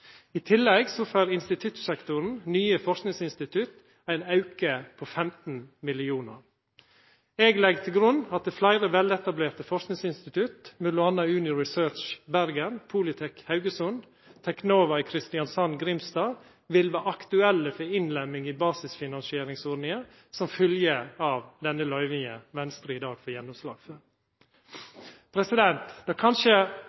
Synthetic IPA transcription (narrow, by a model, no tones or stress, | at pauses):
it̪ʰɪlːɛɡsɔføːɾɪnst̪ɪt̪ʰʉt̪sɛkt̪ʊɾn̩nyːəfɔʂknɪŋsɪnst̪ɪt̪ʰʉt̪ | æɪnɑʉkəpʰofɛmt̪n̩mɪlɪuːnə̰ɾ | eːɡlɛɡt̪ʰɪlɡɾʉnɑt̪̚d̪əflæɪɾəʋɛlɛt̪ɑbleːɾt̪əfɔʂknɪŋsɪnst̪ɪt̪ʰʉt̪mʉd̪lʊɑnːɑʉːnɪɹɪsøːt͡ʃbæɾɡənpʰʊlɪt̪ʰɛkhɑʉɡəsʊn | t̪ʰɛknoːʋɑɪkʰɾɪst̪ɪjɑnsɑnɡɾɪmst̪ɑː | ʋɪlʋɑʔɑkt̪ʉɛlːəfɔɾɪnlɛmːɪŋibɑːsɪsfɪnɑnsɪeːɾɪŋsɔːnɪə | sɔmfœljəɑːʋd̪ɛnːəlœʏʋɪŋə̰ʋɛnst̪ɾəɪd̪ɑːɡfɔɾjɛnːʊmslɑ̰ːɡ̥føːɾ | pʰɾɛsɪd̪ɛnt̪d̪̥ɑːkʰɑnʃə